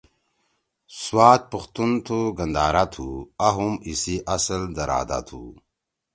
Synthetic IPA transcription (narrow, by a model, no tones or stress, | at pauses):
swaːt̪̚pəxt̪unt̪ʰuɡɐnd̪aːɾat̪ʰuaɦumisiʔɐsəld̪ɐɾa̰ːd̪a̰t̪ʰṵ